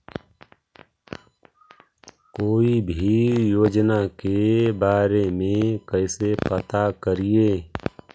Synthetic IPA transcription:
koːibʱijoːd͡ʒnakebaːɾemẽkəɪsepət̪akəɾieː

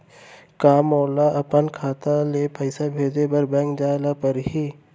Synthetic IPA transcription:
kaːmɔːlaʔɐpənkʰaːt̪alepəɪsabʱeːd͡ʒebəɾbɛ̃ːŋkd͡ʒaːlapəɾɦiː

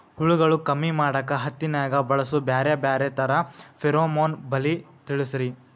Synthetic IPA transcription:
huɭuɡɐɭukɐmːimaːɽɐkːɐɦɐt̪ːinaːɡɐbɐɭɐsubjaːɾjɐbjaːɾet̪ɐɾɐfiɾoːmoːnbɐli | t̪iɭisɐɾi

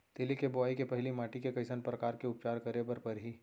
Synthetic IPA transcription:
t̪eːlikebɔaːikepɐɦlimaːʈikekɐɪsənpɾɐkaːɾkeʊp̚t͡ʃaːɾkɐɾebɐɾpɐɾɦi

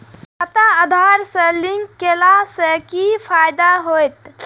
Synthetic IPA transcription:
kət̪aəd̪ʱaɾsə̃liŋkːelasəkipʰajd̪aɦojt̪

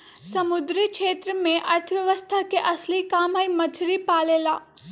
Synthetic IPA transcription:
sɐmʊd̪ɾikʃeːt̪ɾəmẽʔɐɾt̪ʰəʋjɐʋəst̪ʰakeʔɐslikaːmɦaimɐt͡ʃʰɾipaːleːlaː

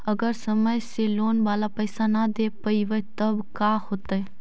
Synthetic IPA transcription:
əɡəɾsəməjseloːnʋaːlapəːsanad̪eːpɐiʋət̪əbkaːhoːt̪ae

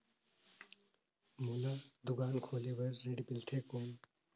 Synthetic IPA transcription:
mulad̪ʊɡaːnkʰoːlebəɾːeɖpɪlʈ̪ʰekoːn

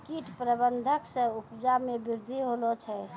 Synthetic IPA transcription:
kiʈpɾəbənd̪ʱəksə̃upd͡ʒamebiɾd̪ʱiɦolot͡ʃʰɛ

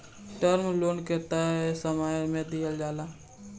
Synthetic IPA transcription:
ʈəɾmloːnket̪aɦɛsəmaːjmẽd̪ɪjəld͡ʒaːlaː

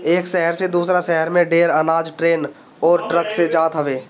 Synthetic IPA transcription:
eːkʃɛɦəɾsed̪uːsɾaʃɛɦəɾmẽɖeːɾənaːd͡ʒʈɾeːn | ɔːɾʈɾəksed͡ʒaːt̪ɦəʋeː

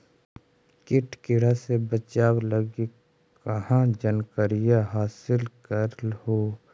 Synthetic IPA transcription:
kɪʈkɪɾasebət͡ʃaːwləɡi | kɐhãd͡ʒənkəɾɪjaɦaːsɪlkəɾlhoː

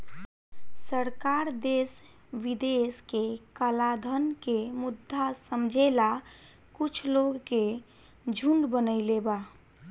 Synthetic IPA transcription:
səɾkaɾd̪es | ʋid̪eskekəlad̪ʱənkemud̪ʱːasəmd͡ʒʱela | kut͡ʃʰloɡke | d͡ʒʱuɳɖbənəɪleba

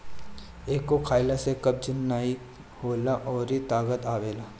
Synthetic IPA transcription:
eːkːokʰaːɪlasekɐb̚d͡ʒɪnːaːi | hoːlaʔɔːɾit̪aːɡət̪aːʋeːlaː

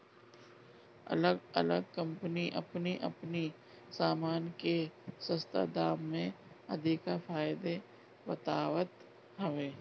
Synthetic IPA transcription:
ɐ̰ləɡə̰ləɡ̚kə̃mpniʔɐ̰pniʔɐ̰pni | saːmaːnkesə̃st̪a̰d̪aːmːẽ | ɐd̪ikafaːɪd̪e | bɐt̪aːwət̪ | ɦɐʋeː

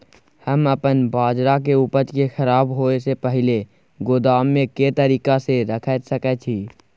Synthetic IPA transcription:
həməpənbaːd͡ʒɾak̬euːpət͡ʃkexəɾaːbɦoːesepəɦɪle | ɡʊd̪aːmːẽkeːt̪əɾiːkaseɾəkʰɛːt̪səkɛt͡ʃʰiː

